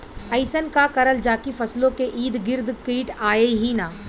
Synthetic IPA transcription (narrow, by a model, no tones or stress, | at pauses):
ɐɪsənkakɐɾəld͡ʒaːkifɐslõkeʔiːd̪ɡɪɾd̪kiːʈaːeɦinaː